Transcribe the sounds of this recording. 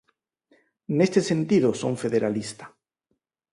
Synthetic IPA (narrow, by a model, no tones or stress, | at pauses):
nest̪esẽ̞nt̪iðoso̰ɱfe̞ðeɾalist̪ḁ